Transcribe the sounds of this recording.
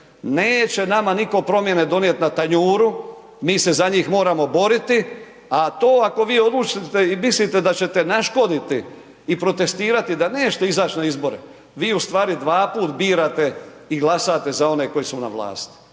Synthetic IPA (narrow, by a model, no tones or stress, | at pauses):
neːt͡ɕe̞namaniko̞pɾo̞mje̞ne̞d̪o̞njet̪nat̪aɲuːɾu | miːse̞zaɲiːxmo̞ːɾamo̞bo̞ɾit̪i | at̪o̞ːako̞ʋiːo̞d̪lˠut͡ʃit̪eimislit̪e̞d̪at͡ɕe̞t̪e̞naʃko̞d̪it̪iː | pɾo̞t̪e̞st̪iːɾat̪id̪aneːt͡ʃe̥t̪eizaːt͡ɕnaizbo̞ɾḛ | ʋiːust̪ʋaːɾid̪ʋaːpuːt̪biːɾat̪e̞iɡlˠasat̪e̞zao̞ne̞ko̞jisuna̰ʋla̰ːst̪i̥